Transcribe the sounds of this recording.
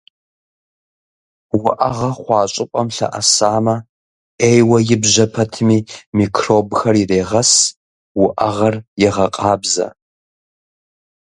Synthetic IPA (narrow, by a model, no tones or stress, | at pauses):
wʊʔɐʁɐχʷɑːɕʼɪpʷʼɐmɬɐ̰ʔɐsaːmɐ | eːjwɐjɪbʑɐpʰɐtʰɨmiːmikʰroːbxɐrɪreːʁɐs | wʊʔɐʁɐrjɛʁɐqʼɑːbzɐ̰